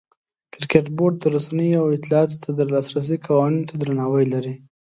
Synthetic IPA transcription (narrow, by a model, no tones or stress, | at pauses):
kɾkeʈboɾɖ̚d̪əɾusanəjoawɪt̪ɪlɑɑt̪o̥t̪ʰad̪əɾlɑsɾas̬ikʰawɑnint̪ad̪ɾanɑwəjlaɾi